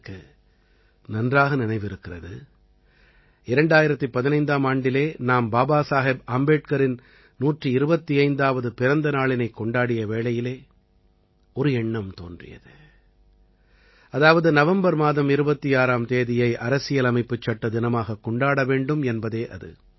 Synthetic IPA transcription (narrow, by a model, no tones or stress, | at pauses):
kːɯ | nɐndraːɣɐnɪnɐɪʋɪɾɯkːɪrɐðɯ | ɪɾɐɳɖaːjɪɾɐt̪ːɯpːɐðɪnɐɪnd̪aːmaːɳɖɪleːnaːmbaːbaːsaːɦebɐmbeːʈ̚kɐɾɪn | nuːʈriɪɾɯbɐt̪ːiɐɪnd̪aːʋɐðɯpɪɾɐnd̪ɐnaːɭɪnɐɪkːɔɳɖaːɽɪjɐʋeːɭɐjɪleː | ɔɾɯɛɳːɐmt̪o̰ːndrɪ̰jɐ̰ðɯ | ɐðaːʋɐðɯnɐʋɐmbɐɾmaːðɐmɪɾɯbɐt̪ːiaːɾaːmt̪eːðɪjɐɪʔɐɾɐsɪjɐlɐmɐɪpːɯt͡ʃːɐʈːɐd̪ɪnɐmaːɣɐkːɔɳɖaːɽɐʋeːɳɖɯmɛnbɐðeːʔɐ̰ðɯ̰